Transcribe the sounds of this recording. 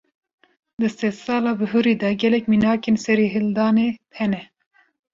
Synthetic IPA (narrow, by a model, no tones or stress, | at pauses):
d̪ɨst̪esɑːlɑːbɨɦɨɾiːd̪ɛɡɛlɛkminɑːkeːnsɛɾeɦɨld̪ɑːneːt̪ʰhɛnɛ